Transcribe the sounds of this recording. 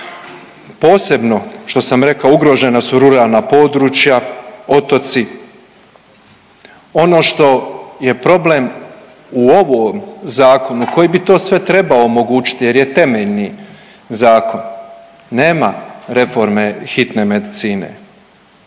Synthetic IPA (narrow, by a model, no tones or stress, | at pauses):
po̞ːse̞bno̞ʃt̪o̞samɾe̞kauɡɾo̞ʒe̞nasuɾuɾaːlˠnapo̞ːd̪ɾuːt͡ʃjao̞t̪o̞t̪si | o̞no̞ːʃt̪o̞je̞pɾo̞ble̞m | uo̞ʋomzaːko̞nuko̞jibit̪o̞ːsʋe̞t̪ɾe̞baoːmo̞ɡuːt͡ʃi̥t̪ije̞ɾje̞t̪e̞meʎni | zaːko̞nː | eːmaɾe̞fo̞ɾme̞xit̪ne̞me̞d̪it̪siːne̞̰